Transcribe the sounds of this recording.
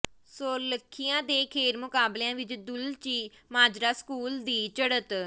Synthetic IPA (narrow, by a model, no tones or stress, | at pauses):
soːləkʰːɪjãːd̪eːkʰeːɾmʊkaːbljãːʋɪt͡ʃd̪ʊlt͡ʃiː | maːd͡ʒɾaːskuːld̪iːt͡ʃəɽət̪